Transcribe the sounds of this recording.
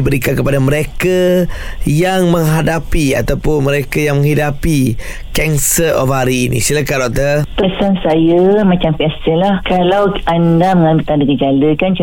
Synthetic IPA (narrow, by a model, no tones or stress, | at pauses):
ibəɾikankəpadaməɾeka | jaŋmə̃ŋɦadapia̰t̪awpʊnmə̃ɾekajaŋmə̃ŋɦidapi | kɛnsərɔfɦaɾiːnḭ̃siləkaʔdɔk̚t̪ət̪əsansajəmãt͡ʃampɛsəlahkalawandaməŋalmit̪adəkəd͡ʒaləkant͡ʃ